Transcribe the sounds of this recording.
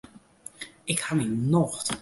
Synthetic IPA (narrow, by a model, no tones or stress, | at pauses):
ɪkhaminɔxt